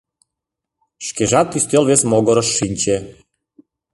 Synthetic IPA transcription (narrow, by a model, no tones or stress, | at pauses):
ʃkɛʒat̪ist̪elˠʋesmɔɡɔɾɔʃːinʲt͡ɕɛ